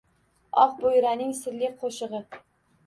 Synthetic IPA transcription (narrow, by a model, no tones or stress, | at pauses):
ɒqbojɾanɪŋsɪɾlɪqʰoʃɨʁɨ